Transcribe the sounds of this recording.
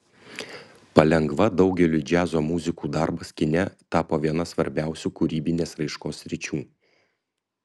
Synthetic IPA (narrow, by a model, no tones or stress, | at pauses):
pɐlʲɛŋɡʋɐd̪ɒʊɡʲɛlʲʊd͡ʒʲæːzoːmʊzʲɪkuːd̪ɑɾbɐskʲɪnʲɛt̪ɑːpoːʋʲiɛnɐsʋɐɾʲbʲæˑʊsʲuːkʊɾʲiːbʲɪnʲeːsɾɐɪʃkoːsʲːɾʲɪt͡ʃʲuː